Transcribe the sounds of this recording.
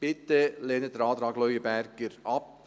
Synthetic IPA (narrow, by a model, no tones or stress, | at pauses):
b̥ɪtːəleːnətdəɾɑːd̪ɾɑːɡlœʏəbærɡ̥əɾɑp̚